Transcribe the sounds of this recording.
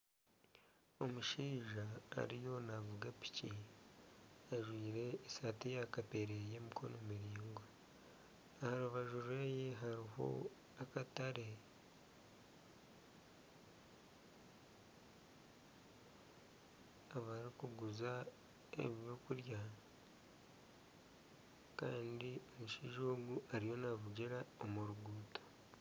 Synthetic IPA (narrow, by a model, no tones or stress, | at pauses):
o̞muʃiːʒa̰ːɾijo̞navuɡapi̥ci | aʒwiːɾe̞ːsaːtejakape̞ɾejemikʰo̞̰nomiɾiːŋɡwa | ahaɾuβaʒuɾweːjeɦaɾiho̞̰ | akataɾe̞ | aβaɾikuɡuza | ḛβjokuɾja | kaːndiomuʃiʒoːɡuʔaɾijo̞naβuɟeɾaomuɾuɡuːto̥